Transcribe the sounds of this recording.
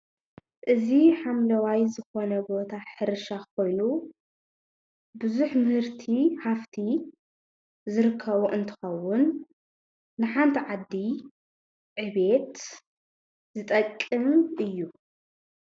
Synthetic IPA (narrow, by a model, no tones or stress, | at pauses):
ʔɨziħamlɐwajzɨxo̞nɐbo̞t̪ʰaħɨɾɨʃakʰo̞jnu | bɨzuħmɨhɨɾt̪ʰiħaft̪ʰi | zɨɾɨkʰːɐβuʔɨnt̪ʰɨ̥xɐwːʊnː | ɨħant̪ʰiʕad̪ːi | ʕɨβe̞t̪ | zɨt̪ʼɐkʼːɨmʔɨjːu